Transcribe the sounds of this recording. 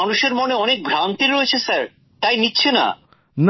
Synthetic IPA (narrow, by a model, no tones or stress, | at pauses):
anuʃeɾmoneɔnek̚bʱɾant̪iɾoet͡ɕʰesaɾ | t̪ajnitːɕʰena̰ | n